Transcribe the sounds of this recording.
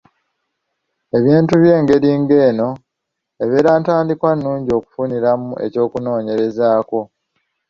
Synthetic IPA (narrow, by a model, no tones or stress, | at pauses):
e̞βiːntuβje̞ːŋɡe̞ɾiːŋɡe̞ːno̞ | e̞βeːɾaːntwaːndikwanːuːɲɟio̞ku̥funiɾamue̞̰co̞ːkuno̞ːɲe̞ɾe̞zaːko̞